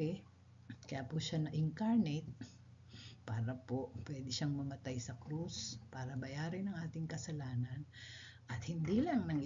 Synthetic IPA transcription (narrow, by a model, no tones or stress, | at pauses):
ɛ | kɐjaːpʊʃanɐʔɪŋkaɹnɛt̪̚ | paːɾɐpopwɛd̪ɪʃaŋmɐmɐt̪ajsɐkɾuspaːɾɐbɐjaːɾɪnɐŋʔaːt̪ɪŋkɐsɐlaːnɐnʔɐt̪̚hɪnd̪ilɐŋnɐŋ